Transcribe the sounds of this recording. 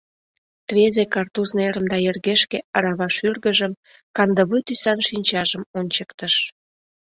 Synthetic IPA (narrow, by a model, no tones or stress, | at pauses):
t̪βezekɑrt̪uzneɾəmd̪ɑerɣeʃkeɑɾɑβɑʃyrɣəʒəm | kɑnd̪əβut̪ysɑnʃinʲt͡ɕɑʒəmonʲt͡ɕəkt̪əʃ